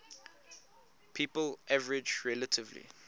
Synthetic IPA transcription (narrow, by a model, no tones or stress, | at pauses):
pʰiːpəlʔavəɹɪd͡ʒɹɛlətʰɪvlḭ